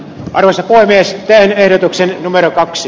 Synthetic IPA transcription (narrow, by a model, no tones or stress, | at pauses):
ʔɑrʋosɑpoˑemeːst̪ænehdot̪uksennumerokɑksi